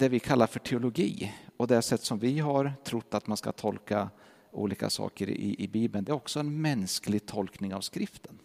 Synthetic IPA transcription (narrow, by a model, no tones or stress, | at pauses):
d̪̥ɛvɪkʰalːaɾfœʈʰɛʊlʊɡiːɔd̪ɛsɛt̪ːsɔmvɪɦaɾʈ̪ʰɾʊt̪ːat̪manska̰t̪ʰɔlka | ṵːliːka̰sɑ̰ːkəɾ̰ɪ̰ʔɪbiːbənd̪ɛːɾɔksɔɛnmɛnsklɪɡ̚t̪ʰɔlknɪŋavskɾɪft̪ən